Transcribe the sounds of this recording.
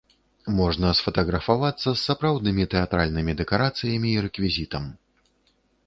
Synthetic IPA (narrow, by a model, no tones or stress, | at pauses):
mɔʐnɐsfɐt̪ɐɣɾɐfavat̪sːɐsːapɾawd̪nɨmʲit̪ɛat̪ɾalʲnɨmʲid̪ɛkaɾat̪sɨjɐmʲiːɾɛkvʲizʲit̪ɐm